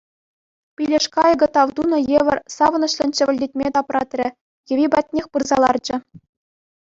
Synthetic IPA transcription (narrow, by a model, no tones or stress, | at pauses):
pʲilʲeʂkɑjɤɡɤ̆t̪ɑʋd̪unɤ̆jeʋʲɘ̆rʲsɑʋɤ̆nɤ̆ɕlʲɘ̆nʲt͡ɕɘ̆ɘ̆lʲdʲet̚ʲmʲet̪ɑprɑ̰t̪ʲrʲɘ̆ | jɘ̆ʋʲibɑt̚ʲnʲexʲpɯrzɑlˠɑrd͡ʑɘ̆